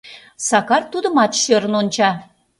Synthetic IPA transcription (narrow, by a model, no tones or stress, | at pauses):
sɑkɑrt̪ud̪ə̆mɑt̪ʃøɾə̆nont͡ɕɑ